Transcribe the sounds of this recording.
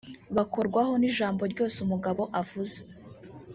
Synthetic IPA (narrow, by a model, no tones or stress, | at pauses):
βako̞ɾɡwaɦo̞niʒaːmbo̞ɾɟo̞ːseumuɡaβo̞ʔavuze̥